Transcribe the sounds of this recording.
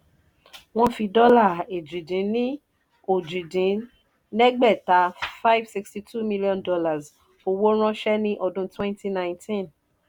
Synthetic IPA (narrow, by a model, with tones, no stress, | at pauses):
w̃ɔ̃˦fi˧dɔ˦la˦˨e˨d͡ʒĩ˨dĩ˨˦nĩ˦ | o˨d͡ʒĩ˨dĩ˨˦ | nɛ˦ɡ͡bɛ˦˨ta˨˧˦fa˦jvsi˧ksti˧tu˦˨mi˦li˦ɔ̃˧ndɔ˧la˨z | o˧wo˦ɾ̃ɔ̃˦ʃɛ˦nĩ˦ʔɔ˧dũ˧twɛ̃˦nti˦nã˨˧ntʰĩ˦˨n